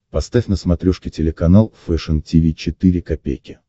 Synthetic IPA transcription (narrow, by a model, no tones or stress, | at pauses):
pɐst̪afʲnəsmɐt̪ɾʲoʂkʲɪtʲɪlʲɪkɐnalˠfɛʂəntʲivʲit͡ɕɪt̪ɨɾʲɪkɐpʲḛjkʲɪ